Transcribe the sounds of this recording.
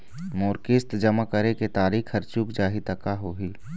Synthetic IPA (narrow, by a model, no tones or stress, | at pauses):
moːɾkɪst̪d͡ʒɐmakɐɾeket̪aːɾiːkʰɐɾt͡ʃukd͡ʒaːɦit̪ɐkaɦoːɦiː